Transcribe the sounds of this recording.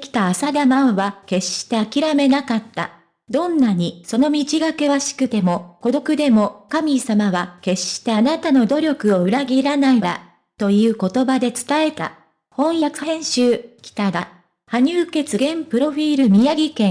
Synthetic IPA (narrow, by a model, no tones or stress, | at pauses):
kʲi̥t̪aːsad̪amaoβake̞ɕi̥t̪e̞akʲiɾame̞nakat̪ːa̰ | d̪õ̞nːaɲ̟iso̞no̞mʲit͡ɕiɡake̞βaɕi̥kɯ̟t̪e̞mo̞ko̞d̪o̞kɯ̟d̪e̞mo̞kamʲisamaβake̞ɕi̥t̪e̞anat̪ano̞d̪o̞ɾʲo̞kɯ̟o̞ɯ̟ɾaɡʲiɾanaiɾa̰ | t̪o̞jɯ̟ːko̞t̪o̞bad̪e̞t͡sɨ̥t̪ae̞t̪a̰ | hõ̞ɰ̃jakɯ̟hẽ̞ɰ̃ɕɨːkʲi̥t̪ad̪a | haɲ̟ɨːke̞t͡sɨɡẽ̞mpɯ̟ɾo̞ɸʲiːɾɯ̟mʲijaɡʲikẽ̞